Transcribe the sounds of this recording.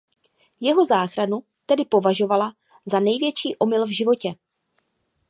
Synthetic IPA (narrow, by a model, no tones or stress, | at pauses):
jɛɦo̞zaːxɾanu | t̪ɛdɪpo̞vaʒo̞vala | zanɛjvjɛt͡ʃiːʔo̞mɪlvʒɪvo̞cɛ